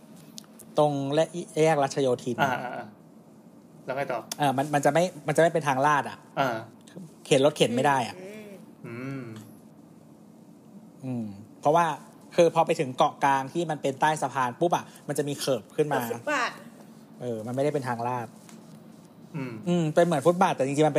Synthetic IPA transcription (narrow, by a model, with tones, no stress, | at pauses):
t̪o˧ŋlɛ˦˥ʔjɛː˥˩k̚ɾaː˦˥t̪̚t͡ɕʰa˧joː˧t̪ʰi˧na˧ʔa˧˩ | lɛ˦˥ma˥˩jt̪ɔː˨˩ʔaː˧˩ma˧nma˧nt͡ɕa˨˩ʔma˥˩jma˧nt͡ɕa˨˩ma˥˩jpe˧nt̪ʰaː˧ŋlaː˥˩t̪ʔa̰˨˩ʔʔaː˧˩ | kʰe˨˩˦nlo˦˥t̪kʰe˩˦nma˥˩jda˥˩jʔa̰˨˩ʔ | ʔɯː˧mpʰɾɔ˦˥waː˥˩ | kʰɯː˧pʰɔː˧pa˧jt̪ʰɯ˩˦ŋkɔ˨˩kaː˧ŋt̪ʰiː˥˩ma˧npe˧nt̪aː˥˩jsa˧pʰaː˧npu˦˥p̚ʔa˨˩ʔma˧nt͡ɕa˨˩miː˧kʰɤː˨˩p̚kʰɯ˥˩nmaː˧˦a˨ | ʔɤː˧ma˧nma˥˩jɾa˥˩pe˧nt̪ʰaː˧ŋlaː˥˩t̪̚ | ʔɯː˧mpe˧nm˨˩˦nfu˦˥t̪̚baː˨˩t̪ːɛː˨˩t͡ɕi˧ŋt͡ɕi˧ma˧np